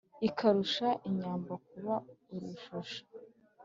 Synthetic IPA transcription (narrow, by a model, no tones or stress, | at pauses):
ikʰaɾuʃaʔiɲaːmbak̚uβauɾuʃuʃḁ